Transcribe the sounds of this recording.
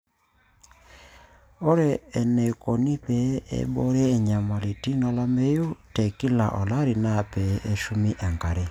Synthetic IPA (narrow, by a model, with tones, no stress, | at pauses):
ɔ˦ɾɛː˨nɛ˨kɔ˨ni˦pɛ˨˦ɛ̰˦ɓɔ˦ɾɛː˦˨ɲa˨ma˨li˨ti˦nɔ˨la˦mɛ˦ju˦tɛ˨ki˦la̰˨ʔɔ˨la˦ɾi˨na˦˨pɛ˨˦ʔe˦ʃu˦mi˦ʔa˨ŋka˨ɾɛ˦